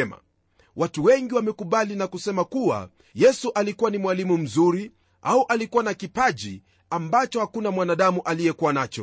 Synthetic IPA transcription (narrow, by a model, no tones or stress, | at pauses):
ɛma̰ | watuwɛŋɡiwamɛkuɓalinakusɛmakuwa̰ | jɛsuʔalikuwanimwalimum̩zuɾi | ʔauʔalikuwanakipaʄḭ | ambat͡ʃɔhakunamwanaɗamuʔalijɛkuwanat͡ʃɔ̰